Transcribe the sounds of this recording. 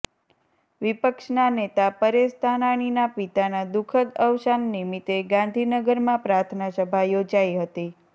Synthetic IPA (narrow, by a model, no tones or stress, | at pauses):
ʋipəkʃnanet̪apəɾest̪ʰanaɳ̃inapit̪anad̪ukʰəd̪əʋʃanːimit̪eɡãnd̪ʱinəɡəɾmãpɾaɾt̪ʰənasəbʱajod͡ʒaiɦət̪i